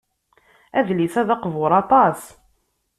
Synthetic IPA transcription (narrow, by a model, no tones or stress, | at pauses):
æðlisæðɑqvʊɾˤɑt̪ˤɑs